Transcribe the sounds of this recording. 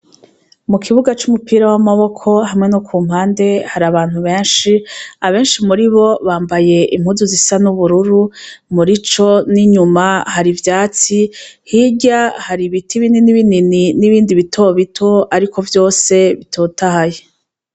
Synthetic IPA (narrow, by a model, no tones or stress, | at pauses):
mukʰiβuɡat͡ʃumupiːɾawamaβo̞kʰo̞ɦamŋe̞nokʰuːm̥haːnde̞haɾaβaːn̥huβe̞ːnʃiaβe̞ːnʃimuɾiβo̞βaːmbaje̞ʔim̥huzuzisanuβuɾuɾumuɾit͡ʃo̞niɲumahaɾivjaːt͡sihiɟahaɾiβitʰiβininiβinininiβiːndiβitʰo̞βitʰo̞aɾiko̞vjo̞ːse̞βitʰo̞tahaje